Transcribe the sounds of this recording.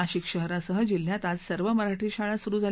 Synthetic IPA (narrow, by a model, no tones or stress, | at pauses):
aɕikɕəɦɾasəɦəd͡ʑil̤jat̪ad͡zsəɾʋəməɾaʈʰiːɕaɭasuɾuːd͡zʱa